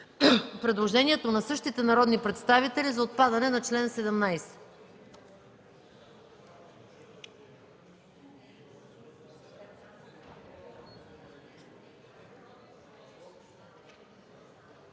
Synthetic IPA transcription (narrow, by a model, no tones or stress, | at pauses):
pɾɛd̪lˠoʒɛniɛt̪onɐsɤʃt̪it̪ɛnɐɾɔd̪nipɾɛt̪st̪avit̪ɛlizɐot̪̚pad̪ɐnɛnɐt͡ʃlɛnsɛd̪ɛmnajsɛ̥